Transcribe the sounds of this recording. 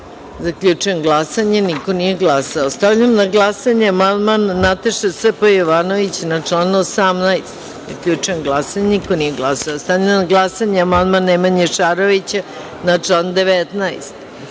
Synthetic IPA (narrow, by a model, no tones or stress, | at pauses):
zakʎʲut͡ʂujenɡlˠasaɲenikonije̞ɡlasaost̪aʋʎʲamnaɡlˠasaɲeamand̪manːat̪aʃasepojoʋanoʋit͡ɕnat͡ʂlanuosamnajst̪ | zakʎʲut͡ʃujemɡlˠasaɲeniko̞nijeɡlˠasaost̪aʋʎamnaɡlˠasaɲeamand̪manemaɲeʃaɾoʋit͡ɕa | nat͡ʃland̪eʋet̪najst̪